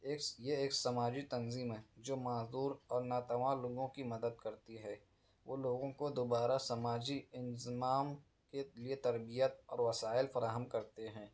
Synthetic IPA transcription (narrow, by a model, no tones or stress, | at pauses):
eːjeeːksɐmaːd͡ʒit̪ɐnziːmɦɛːd͡ʒoːmaːzd̪uːɾɔːɾnat̪ɐmaːloːɡõkimɐd̪əd̪̚kɐɾt̪iɦɛː | ʋoːloːɡõkod̪oːbaːɾasɐmaːd͡ʒiɪnzɪmaːm | keliet̪ɐɾbijət̪ɔːɾʋɐsaːɪlfɐɾaːɦəmkɐɾt̪eɦɛ̃ː